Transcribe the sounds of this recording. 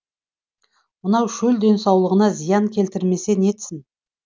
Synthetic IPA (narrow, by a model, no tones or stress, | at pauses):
mənɑwʒɵld̪e̞nsɑwlˠəʁənɑzijɑŋkʲʰe̞lt̪ɪɾme̞se̞ne̞t̪sɪn